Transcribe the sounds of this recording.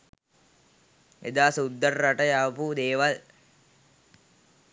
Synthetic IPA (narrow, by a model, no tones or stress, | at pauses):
ʔḛd̪aːsud̪ːərːaʈəjaʋpud̪eːʋal